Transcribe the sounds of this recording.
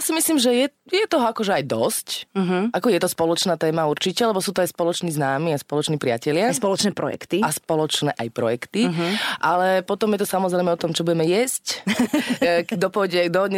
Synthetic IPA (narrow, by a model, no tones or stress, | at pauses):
jasimisliːmʒɛjɛjɛt̪ɔɦɔakɔʒɛajd̪ɔscɦʔakɔjɛt̪ɔspɔlɔt͡ʃnaːt̪ɛːmauɾt͡ʃicɛlɛbɔsuːt̪ɔajspɔlɔt͡ʃniːznaːmiːaspɔlɔt͡ʃniːpɾɪacɛlɪaspɔlɔt͡ʃnɛːpɾɔ̰jɛ̰kt̪iaspɔlɔt͡ʃnɛ̰ːʔajpɾɔ̰jɛkt̪iʔalɛpɔt̪ɔmjɛt̪ɔsamɔzɾɛɪmɛɔt̪ɔmt͡ʃɔbuɟɛmɛjɛsc | d̪ɔpɔɟɛd̪ɔɔɲ